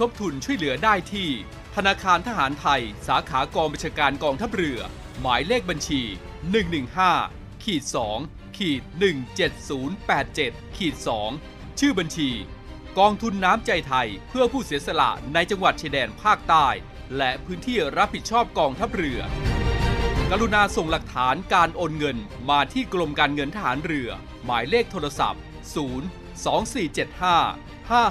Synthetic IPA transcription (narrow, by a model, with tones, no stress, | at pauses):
t̪ʰo˦˥p̚t̪ʰu˧nt͡ɕʰu˥˩əjlɯ˨˩˦ɐdaː˥˩jt̪ʰiː˥˩ | t̪ʰa˧naː˧kʰaː˧nt̪ʰa˧ɦaː˩˦nt̪ʰa˧jsaː˩˦kʰaː˩˦kɔː˧ŋba˧nt͡ɕʰaː˧kaː˧nkɔː˧ŋt̪ʰa˦˥p̚ɾɯ˧˩ɐ | maː˩˦jleː˥˩k̚ba˧nt͡ɕʰiː˧ | nɯ˨˩ŋnɯ˨˩ŋhaː˥˩ | kʰiː˨˩t̪̚sɔː˩˦ŋ | kʰiː˨˩t̪̚nɯ˨˩ŋt͡ɕe˨˩t̪̚suː˩˦npɛː˨˩t̪̚t͡ɕe˨˩t̪̚kʰiː˨˩t̪̚sɔː˩˦ŋ | t͡ɕʰɯː˥˩ba˧nt͡ɕʰiː˧ | kɔː˧ŋt̪ʰu˧nːaː˦˥mt͡ɕa˧jt̪ʰa˧jpʰɯ˥˩ɐpʰuː˥˩siː˨˩˦əsa˧la̰˨˩ʔna˧jt͡ɕa˧ŋwa˨˩t̪̚t͡ɕʰi˧dɛː˧npʰaː˥˩k̚t̪aː˥˩j | lɛ˦˥ʔpʰɯː˦˥nt̪ʰiː˥˩ɾa˦˥p̚hi˨˩t̪̚t͡ɕʰɔː˥˩p̚kɔː˧ŋt̪ʰa˦˥p̚ɾɯ˧ɐ | ka˧ɾu˧naː˧so˨˩ŋla˨˩k̚t̪ʰaː˩˦nkaː˧nʔoː˧nŋɤ˧nmaː˧t̪ʰiː˥˩klo˧mkaː˧nŋɤ˧nt̪ʰa˧ha̰ː˩˦nɾɯ˧ɐ | maː˩˦jleː˥˩k̚t̪ʰoː˧ɾa˧sa̰˨˩p̚ | suː˩˦n | sɔː˩˦ŋsiː˨˩t͡ɕe˨˩t̪̚haː˥˩ | haː˥˩